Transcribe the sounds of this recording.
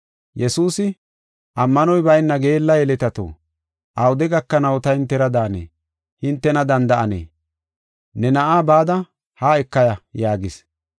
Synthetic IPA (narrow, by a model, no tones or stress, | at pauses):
jɛsuːsɪ | ʔɐmːɐnɔjbɐjnːɐɡe̞ːlːɐjɛlɛt̪ɐt̪o̰ː | ʔɐwʊd̪ɛɡɐkːɐnɐwt̪ɐhɪnt̪ːɛɾɐd̪aːnḛː | hɪnt̪ːɛnɐd̪ɐnd̪ɐʔɐnḛː | nɛnɐʔaːbaːd̪ɐ | haːɛkːɐjɐjaːɡɪs